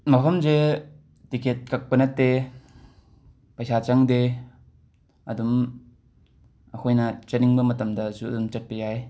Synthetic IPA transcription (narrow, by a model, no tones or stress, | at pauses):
mɐpʰɐmze | tikʰet̚kak̚pɐnɐtːe | pɐjsat͡ʃaŋde | ɐdum | ɐkʰojnɐt͡ʃɐniŋbɐmɐtɐmdɐsuɐdumt͡ʃɐt̚pejaj